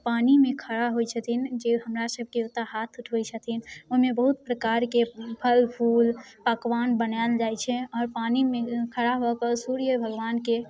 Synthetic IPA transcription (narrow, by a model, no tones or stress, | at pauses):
panimẽkʰəɽaɦojt͡ʃʰət̪ʰind͡ʒeɦəmɾasəb̚ʱkeut̪aɦat̪ʰuʈʰʋəjt͡ʃʰət̪ʰinoɦimebəɦut̪̚pɾəkaɾkepʰəlpʰulpəkʋanbənaeld͡ʒajt͡ʃʰɛ̃ɔːɾpanimekʰəɽaɦokəsuɾijəbʱəɡʋanke